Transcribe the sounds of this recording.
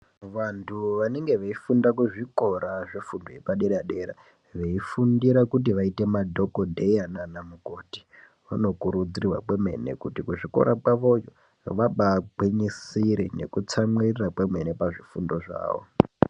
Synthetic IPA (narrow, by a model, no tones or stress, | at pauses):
ʋantʰuʋaneŋɡe̞ʋeifundakuʐiko̞ɾaʐefundojepaɗeɾaɗeɾa̰ | ʋe̞ifundiɾakut̬iʋaite̞madʱo̞kodʱe̞jananamukoːti̥ | ʋano̞kuɾud͡zirirwa̰kweme̞̰ne̞̰kutikuʐiko̞̰ɾak͡paʋo̞jo̰ | ʋaɓaɡ͡biɲisiɾene̞kut͡samwirirakwemenepaʐifundo̞ʐa̰ːʋo̰